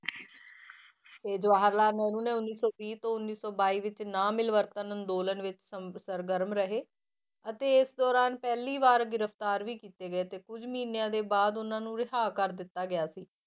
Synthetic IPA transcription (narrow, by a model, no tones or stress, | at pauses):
t̪eːd͡ʒʋaːɦəɾlaːnɛːnũːnɛ̃ːʊnːiːsɔːbiːt̪õːʊnːiːsɔːbaːiːʋɪt͡ʃnãːmɪlʋəɾt̪ənənd̪oːlənʋɪt͡ʃsəɾɡəɾmɾəɦeː | ət̪eːɪsd̪ɔːɾaːnpɛːliːʋaːɾɡɪɾəpʰt̪aːɾʋiːkiːt̪eːɡəeːt̪eːkʊd͡ʒmiːnejãːd̪eːbaːd̪ʊnãːnũːɾɪɦaːkəɾd̪ɪt̪ːaːɡɪjaːsiː